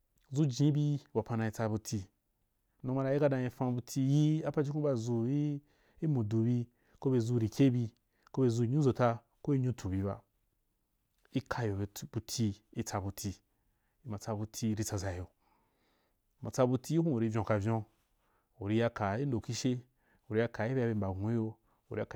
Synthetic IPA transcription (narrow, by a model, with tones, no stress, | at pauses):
zu˦d͡ʒĩ˨˦bi˧ba˨pa˧nã˧i˧t͡sa˧bu˧tʰi˧ | nõ˧ma˧ɾa˧i˦ka˧dã˧i˧fã˧bu˧tʰʲi˧˦ji˦a˦pa˧d͡ʒi˦kũ˦ba˧zu˧˦ | i˦mũ˨du˨bi˧ | ko˦be˧˨zu˧ɾi˨kʲe˦bi˧ | ko˦be˧˨zu˧i˧ɲũ˦zo˨ta˧ | ko˦i˦ɲũ˦tʰu˨bʲi˧ba̰˧ | i˦kʰa˧jo˨˦bu˧tʲʰi˧i˦t͡sa˧bu˧tʰi˧ | i˧˦ma˨t͡sa˧bu˧tʰi˧ɾi˧t͡sa˧za˨jo˨ | ma˨t͡sa˧bu˧tʰi˦i˦hũ˦u˨ɾi˧vʲjõ˨ka˧˨vʲjõ˧ | u˨ɾi˧ja˧ka˨i˦ndo˨ki˦ʃe˦ | u˨ɾi˦ja˧ka˨i˦a˧be˧m˨ba˨˦jo˧ | u˨ɾi˦a˨k